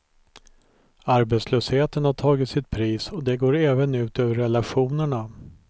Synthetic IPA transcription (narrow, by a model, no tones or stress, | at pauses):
aɾbet̪sløːsheːt̪ənhaʈʰɑːɡɪt̪sɪt̪̚pʰɾiːsɔd̪ɛɡoːɾɛːvənʉ̟ːt̪øːvəɾɛlaɧuːnəɳa